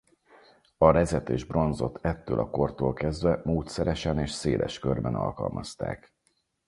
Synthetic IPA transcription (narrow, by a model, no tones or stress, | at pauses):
ɒɾɛzɛt̪eːʒbro̞nzo̞t̪ʰɛt̪ːøːlɒko̞rt̪oːlkɛzd̪vɛmoːt̪sɛɾɛʃɛneːʃseːlʔɛ̰ʃkø̞rbɛnɒ̰lkɒ̰lmʔɒst̪a̰ːk